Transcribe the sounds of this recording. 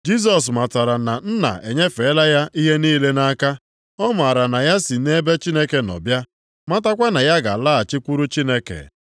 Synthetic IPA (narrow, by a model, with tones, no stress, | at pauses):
d͡ʒi˦s̬ɔ˨s̬ma˨ta˨ɾa˨na˨n̩˦na̰˨e˨ɲe˦fe˨˦la˦ja˦ʔi˦ɦe˦niː˦le˦na˦ka˦ | ɔ˦m˨a˨ɾa˨na˨ja˦si˨ne˦be˦t͡ʃi˦ne˦ke˨nɔ̰˨bja˦ | ma˦ta˦kʷa˦na˨ja˦ɡa̰˨la˦a˨t͡ʃɪ˦kʷu˦ɾu˦t͡ʃi˦ne˦kḛ˨